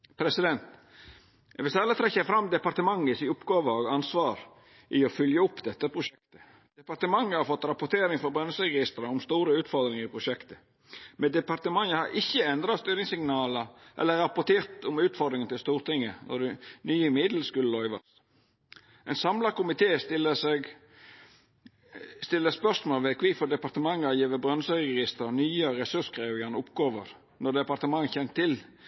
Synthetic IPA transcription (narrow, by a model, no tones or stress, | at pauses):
pʰɾɛsɪd̪ɛnt̪ | ɛʋɪlsælət̪ʰɾɛçːəfɾɑmːd̪ɛpɑɾt̪əmɑŋːəsɪʊpɡɑːʋəoːɡɑnsʋɑːɾ | ʔiɔfʏljəʊpːd̪ɛt̪ːəpʰɾʊʃɛkt̪ə̥ | d̪̥ɛpɑɾt̪əmɑŋːəhɑɾfɔt̪ːɾɑpʊt̪ʰeːɾɪŋfɔɾbɾœnəsəɾɛɡɪst̪ɾəʊmst̪uːɾəʉːt̪fɔɾd̪ɾɪŋəɾɪpʰɾʊʃɛkt̪ə | mɛnd̪ɛpɑɾt̪əmɑŋəhɑɾʔɪçːəɛnd̪ɾɑt̪st̪yːɾɪŋsɪŋnɑːləʔɛ̰lːəɾɑpɔt̪ʰeːɾt̪ʊmʉːt̪fɔd̪ɾɪŋənt̪ɪst̪uːɾt̪ɪŋːənɔ̰dʉnyːəmɪd̪l̩skʉləlɔʏʋɑ̰s | ʔɛɪnsɑmlɑkʊmɪt̪ʰeːsɪləsɛɡ | st̪ɪlːəspœsmoːlʋɛkʰʋiːfɔd̪ɛpɑɾt̪əmɑŋːɑjiːʋəbɾœnsəɛjʊɡɪst̪əɾnyːəɾɛsʉskʰɾeːʋɪənʊpɡoːʋəɾ | nɔd̪ɛpɑɾt̪əmɑŋːçɛnt̪ʰːɪl